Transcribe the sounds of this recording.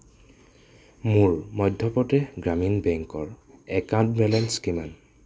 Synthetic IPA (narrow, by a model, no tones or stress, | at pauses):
muɹmɔjdʱːɔpɔtɛɡɹaminbɛŋkɔɹɛkãntmɛlɛnskiman